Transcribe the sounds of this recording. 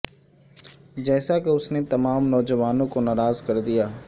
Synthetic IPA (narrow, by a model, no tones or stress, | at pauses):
d͡ʒɛːsakɪʊsnet̪ɐmaːmnɔːzəʋaːnõkonaːɾaːzkɐɾd̪ijaː